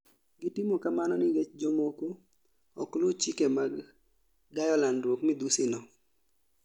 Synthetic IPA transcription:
ɡɪtɪmokamanɔnɪɡet͡ʃd͡ʒomoko | ɔklʊt͡ʃikemaɡː | ajɔlandwokmɪd̪usɪnɔ

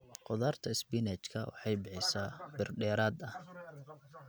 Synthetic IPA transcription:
qɔðaːrt̪ʰɐɪsbinɛt͡ʃkʰɐ̰wɑ̰ħɑjbɪħɪjsaːbɪrɖɛːɾaːd̪ɐh

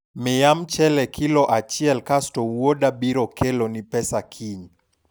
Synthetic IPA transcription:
mɛjamt͡ʃɛlɛkʰilɔʔat͡ʃiɛlkastɔwɔɗabiɾɔkɛlɔnipɛsakʰiɲ

